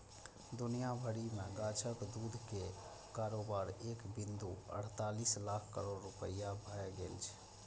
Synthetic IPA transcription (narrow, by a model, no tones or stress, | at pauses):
d̪unijabʱəɽimeɡat͡ʃʰəkd̪ud̪ʱke | kaɾobaɾekbind̪uə̰ɽ̤t̪alislakʰkə̰ɾoɾːupəijabʱəɛɡelt͡ʃʰ